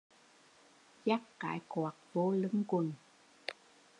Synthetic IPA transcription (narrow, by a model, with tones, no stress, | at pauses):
za˦˥k̚ka̰ː˧˦jkwɔː˨˩t̚vo˧˦lɨ˨˧˦ŋkwə˨˩n